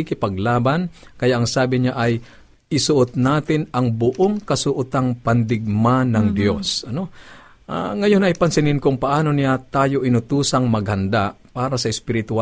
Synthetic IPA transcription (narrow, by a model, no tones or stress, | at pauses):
ɪkɪpɐɡ̚laːbankɐjaʔɐŋsaːbɪɲaʔɐj | ʔɪsʊʔot̪̚naːt̪ɪnɐŋbʊʔoŋkɐsʊʔʊt̪aŋpɐnd̪ɪɡ̚manɐŋd̪jo̞sɐno̞ | ʔa̰ŋɐjo̞nʔɐjpɐnsɪnɪnkʊŋpɐʔaːno̞nɪjat̪aːjoʔɪnʊt̪uːsɐŋmɐɡhɐnd̪apaːɾɐsɐʔɪspɪɾɪt̪ʊa